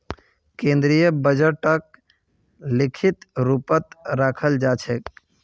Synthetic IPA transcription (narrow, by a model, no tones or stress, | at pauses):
kẽnd̪ɾijəbəd͡ʒəʈək̚ | likʰit̪ɾupət̪ɾakʰəld͡ʒat͡ʃʰɛk